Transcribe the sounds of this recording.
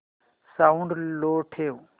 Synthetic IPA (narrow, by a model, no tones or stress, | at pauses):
saũɳɖloːʈʰeːu